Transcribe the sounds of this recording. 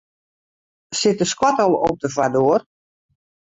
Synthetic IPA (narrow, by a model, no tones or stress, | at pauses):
sɪtəskwatɔlˠɔp̚dəfadoər